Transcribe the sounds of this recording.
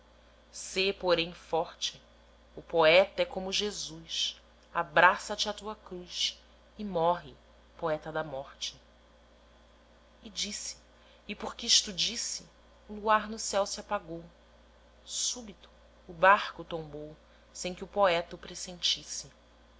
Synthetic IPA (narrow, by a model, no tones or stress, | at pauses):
sepoɾẽj̃fɔχt͡ʃɪ | ʊpoɛt̪ɐɛkõmʊʒezus | abɾasɐt͡ʃɪat̪uɐkɾujs | ɪmɔɦɪ | poɛt̪ɐd̪ɐmɔχt͡ʃɪ̥ | d͡ʒisɪ̥ː | poχkɪʃt̪ud͡ʒisɪ | ʊluaɾnʊsɛwsɪapaɡow | subit̪ʊ̥ː | baχkʊt̪õbow | sẽj̃kɪʊpoɛt̪ʊpɾesẽnt͡ʃisɪ